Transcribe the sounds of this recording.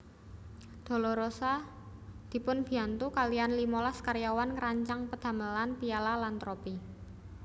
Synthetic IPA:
d̪̥o̤lɔɾosa | d̪̥i̤pʊnb̥i̤ant̪ukalijanlimolaskaɾjawankɾaɲt͡ʃaŋpəd̪̥ä̤məlanpijalalant̪ɾopi

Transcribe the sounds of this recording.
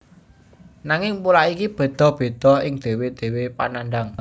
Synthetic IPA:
naŋɪŋpulaʔikib̥ə̤d̪̥ɔ̤hb̥e̤d̪̥ɔ̤ɦɪŋd̪̥e̤wed̪̥e̤wepa̰nanɖaŋ

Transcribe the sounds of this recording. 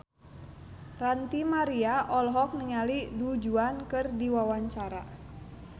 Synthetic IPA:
rant̪imaɾiaʔɔlɦɔk̚nəŋalidud͡ʒuankɨrdiwawaɲt͡ʃaɾa̰

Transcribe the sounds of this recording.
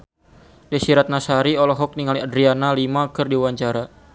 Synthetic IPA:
dɛsiɾat̪̚nasaɾiɔlɔɦɔk̚niŋaliadɾianalimakɨrdiwaɲt͡ʃaɾa

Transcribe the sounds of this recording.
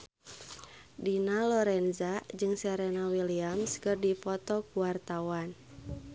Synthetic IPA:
dinalɔɾɛnzad͡ʒɨŋsɛɾɛnawiliamskɨrdipɔt̪ɔkuwart̪awan

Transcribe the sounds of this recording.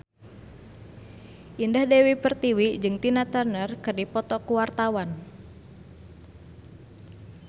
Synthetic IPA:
ʔindahdewipərt̪iwid͡ʒɨŋt̪inat̪ərnərkɨrdipɔt̪ɔkuwart̪awan

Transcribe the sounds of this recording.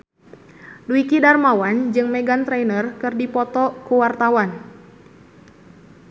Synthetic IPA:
duikidarmawand͡ʒɨŋmɛɡant̪ɾɛjnərkɨrdipɔt̪ɔkuwart̪awan

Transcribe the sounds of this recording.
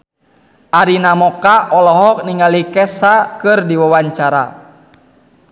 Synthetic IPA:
ʔaɾinamɔkaʔɔlɔɦɔk̚niŋalikɛsakɨrdiwawaɲt͡ʃaɾa̰

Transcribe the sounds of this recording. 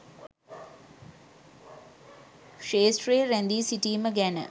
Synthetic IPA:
ʂeːsʈɾeːɾænd̪iːsiʈiːməɡænə̰

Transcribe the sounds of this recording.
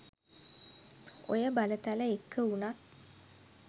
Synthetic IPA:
o̰jəbalət̪aləekʰːəunat̪

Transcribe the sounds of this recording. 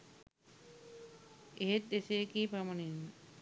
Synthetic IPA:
eɦet̪̚d̪eseekiːpamonin

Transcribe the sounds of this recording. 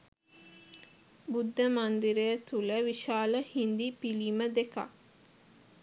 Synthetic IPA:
bud̪ʱːəmand̪iɾəjət̪uləʋiʃaːləhind̪ipiliməd̪eka̰

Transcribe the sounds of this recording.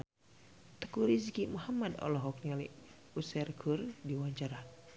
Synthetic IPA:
t̪ə̥kuɾiskimuhamadɔ̰lɔɦɔk̚niali | usɛrkʰurdiwaɲt͡ʃaɾa

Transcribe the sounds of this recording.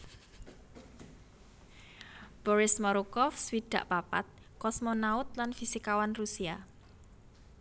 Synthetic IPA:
b̥ɔɾɪsmɔɾukɔfswiɖ̪̥ä̤ʔpapa̰t̪̚ | kɔsmɔnaʊt̪lanfisikawanrusia

